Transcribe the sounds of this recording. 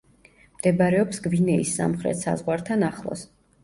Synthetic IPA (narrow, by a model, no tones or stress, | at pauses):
md̪̥ɛbaɾɛɔpsɡvinɛisːa̰mχɾɛ̰t̪ʰsa̰zʁwaɾt̪ʰanaχlˠɔ̰s